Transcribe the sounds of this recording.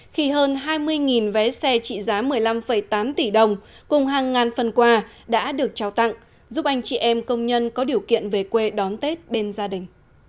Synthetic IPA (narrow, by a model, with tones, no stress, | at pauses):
xi˧ɦəː˧nɦaː˧jmɨ˧əjŋi˨˩nvɛ˨˦sɛ˧t͡ɕḭ˧˨zaː˨˦mɨ˨˩əjla˧mfə˧˩jt̪aː˨˦mt̪i˧˩ɗə˨˧˩wŋ͡m | kʊ˨˩ŋ͡mɦaː˨˩ŋːaː˨˩nfə˨˩nkwaː˧ | ɗa̰ː˧˥ɗɨ˨˩ək̚t͡ɕaː˨˧˩wt̪a̰˧˨ŋ | zu˦˥p̚ʔa˧jŋ̟t͡ɕḭ˧˨ʔɛ˧mkə˧wŋ͡mɲə˧nkɔ˨˦ɗi˨˩əwkḭ˧˨ənve˨˩kwe˧ɗɔ˨˦nt̪e˦˥t̚ɓe˧nzaː˧ɗï˨˩ŋ̟